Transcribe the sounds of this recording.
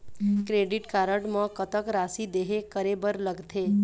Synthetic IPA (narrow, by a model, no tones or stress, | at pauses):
kɾeɖɪʈkaːɾəʈmə̃kət̪əkɾasid̪eɦekəɾebəɾləɡt̪ʰe